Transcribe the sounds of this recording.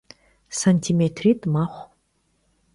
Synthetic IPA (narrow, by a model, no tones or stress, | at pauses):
sanʲtʰimetʰritʼmaχʷ